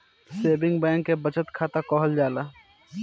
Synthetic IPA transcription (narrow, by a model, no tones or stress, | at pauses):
seːbɪ̃ŋɡbɛ̃ːŋkːebət͡ʃət̪kʰaːt̪akɔːɦəld͡ʒaːlaː